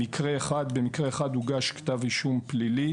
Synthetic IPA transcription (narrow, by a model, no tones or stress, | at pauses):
ikʰʁeːχad̪bemikʁeːχad̪uɡaʃkt̪avliʃumplili